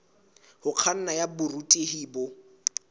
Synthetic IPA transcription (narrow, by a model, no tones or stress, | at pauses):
hʊq͡χʰan̩najabʊrutʼeɦiːbʊ